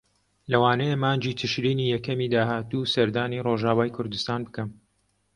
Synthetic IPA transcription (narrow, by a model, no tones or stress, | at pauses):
lɐwaːnɛjemaːnd͡ʒiːt̪ʰɨʃɾiːniːjɛkɐmiːd̪aːɦaːt̪usɐɾd̪aːniroʒaːwaːjkʰʊɾd̪ust̪aːnbɨkɐm